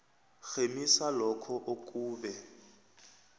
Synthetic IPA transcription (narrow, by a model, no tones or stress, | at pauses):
xemisalɔkʰɔʔok̬ʼuːɓɛ